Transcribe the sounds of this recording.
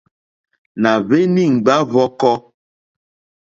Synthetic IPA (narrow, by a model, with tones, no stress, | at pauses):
na˨ve˦ni˦˨ŋ̩˨ɡ͡ba˦vɔ˦kɔ˦